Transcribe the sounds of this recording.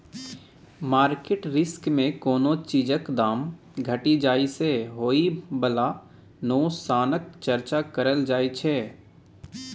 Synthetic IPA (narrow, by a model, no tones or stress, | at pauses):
maːɾkeʈɾɪskmẽkoːnõt͡ʃiːd͡ʒəkd̪aːm | ɡʱəʈid͡ʒaːiseɦoːibəla | noːsaːnəkt͡ʃɐɾt͡ʃakɐɾəld͡ʒaːit͡ʃʰɛː